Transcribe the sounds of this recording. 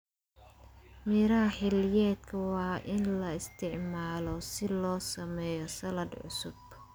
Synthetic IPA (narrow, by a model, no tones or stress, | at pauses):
miːɾɐɦɐħɪlɪjɛːd̪kʰɐwɑːʔɪnlɐɪst̪ʰɪʕmaːlɔsɪlɔːsɐmɛːjɔsɐlɐdʕʊ̰sʊb